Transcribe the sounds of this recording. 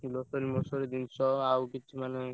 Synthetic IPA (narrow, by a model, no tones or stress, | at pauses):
loselmosoɾed̪insɔawkiumane